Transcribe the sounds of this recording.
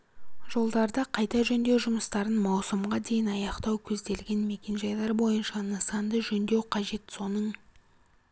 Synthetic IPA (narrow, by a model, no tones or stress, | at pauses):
ʒ̥o̞lˠd̪ɑɾd̪ɑqʰɑjt̪ɑʒɵnd̪e̞wʒʊməst̪ɑɾənmɑwsəmʁɑd̪e̞jɪnɑjɑqt̪ɑwkʲʰɵzd̪e̞lɡʲe̞nme̞kʲe̞nʒɑjlˠɑɾbo̞jənʃɑnəsɑnd̪əʒɵnd̪e̞wqʰɑʒe̞t̪so̞nəɴ